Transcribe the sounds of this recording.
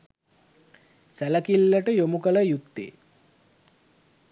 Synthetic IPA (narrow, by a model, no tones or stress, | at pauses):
sæləkilːəʈəjomukələjukt̪ːḛː